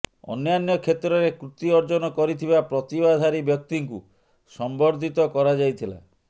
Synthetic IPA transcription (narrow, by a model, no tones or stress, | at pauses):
ɔ̰njanjɔkʰet̪ɾɔɾekɾut̪iɔɾd͡ʒɔnɔkɔɾit̪ʰibapɾɔt̪ibad̪ʱaɾibjɔk̚t̪iŋkṵ | sɔmbɔɾd̪ʱit̪ɔkɔɾad͡ʒajt̪ʰila̰